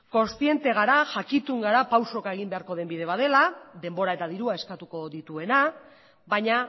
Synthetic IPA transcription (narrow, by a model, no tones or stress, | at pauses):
ko̞nst̪ie̞nt̪e̞ɣ̞aɾaʝakit̪uŋɡaɾapawso̞kaeɣ̞imbe̞aɾko̞ðe̞mbiðe̞β̞að̞e̞laðe̞mbo̞ɾae̞t̪aðiɾuae̞skat̪uko̞ðit̪ue̞na | βaɲa